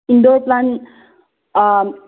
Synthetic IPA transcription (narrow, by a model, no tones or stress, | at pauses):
inɖoplãn